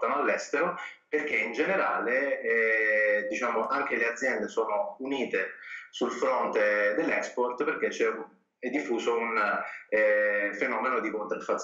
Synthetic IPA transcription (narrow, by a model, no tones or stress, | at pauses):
t̪anoalːɛst̪eɾoperk̟eind͡ʒeneɾaːleɛd̪it͡ʃaːmoʔaŋk̟elead̪zːjɛnd̪esoːnouniːt̪esulfɾont̪ed̪elːɛkspɔrt̪perk̟et͡ʃːɛ | ɛd̪ːifːuːsounɛfenɔːmenod̪ikont̪ɾafat̪s